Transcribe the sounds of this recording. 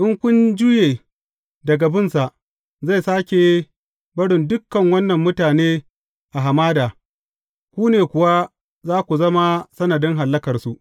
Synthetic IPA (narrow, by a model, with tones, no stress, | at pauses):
ʔɪ˦ŋkʷʊ˦nd͡ʒʊː˦jeː˨ | dɐ˨ɡa˨bɪ˦nsa˨ʔ | za˦˨jsaː˦kʲe˨˦ | bɐ˦ɽɪ˨ndʊ˦kːɐ˨ŋwɐ˦nːɐ˨mːʊ˦taː˨neː˦ | ʔa˨ɦa˨maː˦daː˨ | kʷuː˦neː˨kʷʊ˨wa˦ | zaː˦kʷu˨zɐ˦ma˦sɐ˦nɐ˨dɪ˦ŋɦa˨lːɐ˦kɐ˨rsu˨ʔ